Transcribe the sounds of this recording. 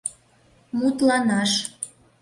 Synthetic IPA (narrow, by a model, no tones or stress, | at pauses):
mut̪lɑnɑʃ